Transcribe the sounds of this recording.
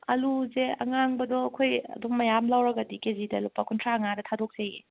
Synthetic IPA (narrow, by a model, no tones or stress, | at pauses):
ɐ̰luzeɐ̰ŋaŋbɐdɔɐkʰojɐ̰dummɐjamlawɾɐɡɐdikezidɐlupːɐkʰuntʰɾaɐŋadɐtʰadok̚seji